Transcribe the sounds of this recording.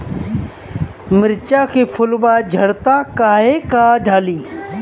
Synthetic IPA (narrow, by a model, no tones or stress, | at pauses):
mɪɾt͡ʃaːkʰeːfʰʊlbaːd͡ʒʱɐɽt̪ãːkaːɦekaːɖʱaːliː